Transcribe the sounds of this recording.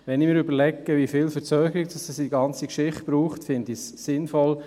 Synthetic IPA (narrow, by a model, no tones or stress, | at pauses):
ʋɛnɪmɪːɾʏbəɾlɛkːəʋifɪːlfəɾt͡søːɡ̥əɾiɡd̥ɑsɛsidiɡɑnt͡sikʃɪχt̚b̥ɾuːχtfɪnd̪isːɪnfɔl